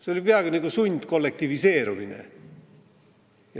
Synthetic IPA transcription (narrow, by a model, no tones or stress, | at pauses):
seolipeɑɡ̥iniɡ̥usunʲd̪̥ko̞lːek̚t̪ivise̞ːɾuminḛ | jɑ